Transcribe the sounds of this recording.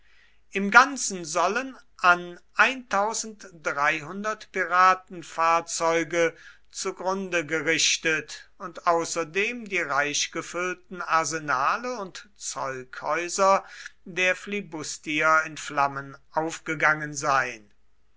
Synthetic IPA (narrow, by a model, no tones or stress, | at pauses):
ʔɪmɡant͡sn̩zɔlənʔanʔaɪntʰaʊzn̩td̥ʁaɪɦʊndɐtpiʁaːtn̩faːɐt͡sɔʏɡə | t͡suɡʁʊndəɡəʁɪʃtətʊntʔaʊsɐdeːmdiːʁaɪʃɡ̥əfʏltn̩aɐzenaːləʊntt͡sɔ̰ʏkhɔʏzɐdeːɐflibʊstiɐɪnflamənʔaʊfɡ̥əɡaŋənzaɪn